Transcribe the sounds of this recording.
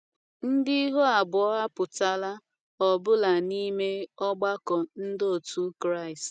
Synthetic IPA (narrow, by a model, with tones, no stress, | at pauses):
n̩˦di˦ɦo˦a˨bʊ˨ɔ˦ɦa˦pʊ˨ta˦la˦ | ɔ˨bʊ˦la˨ni˦me˦ɔ˦ɡ͡ba˦kɔ˨n̩˦do˦˨tu˦kɾa˦˨ɪ˨st